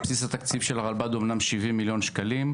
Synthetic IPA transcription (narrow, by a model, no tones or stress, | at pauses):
psisat̪akt͡sifʃelaʁalbad̪o̞mnamʃivimːiljo̞nʃkalim